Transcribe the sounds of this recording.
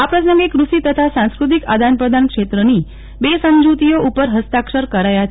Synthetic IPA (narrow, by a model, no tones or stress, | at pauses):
apɾəs̬nəŋɡikɾuʃit̪ət̪ʰasãskɾut̪̬ikad̪ʱanpɾəd̪ʱankʂet̪ɾəni | besə̃nd͡ʒut̪ijoʔupəɾɦəst̪akʂəɾkəɾajat͡ʃ